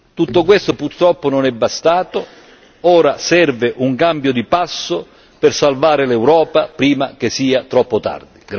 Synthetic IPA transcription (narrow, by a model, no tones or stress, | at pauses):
t̪ut̪ːok̬west̪opurt̪ɾɔpːʊnonɛbːast̪aːt̪o | ɔːɾasɛrvɪʔuŋkambjod̪ipasːo | pɪrsalvaːɾɪlɛwɾɔːpapɾiːmak̟esːiːat̪ɾɔpːot̪a̰rd̪iɡ